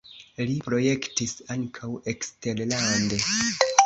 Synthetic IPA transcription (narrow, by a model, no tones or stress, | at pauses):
lipɾo̞je̞ktisaŋkʰawe̞kste̞ɾlande̞